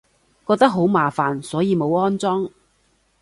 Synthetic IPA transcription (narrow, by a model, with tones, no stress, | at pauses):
kɔː˧k̚t̪ɐ˥k̚ɦo˨˥wmaː˨faː˨nsɔː˨˥jiː˨˧mo˨˧wɔː˥nt͡sɔː˥ŋ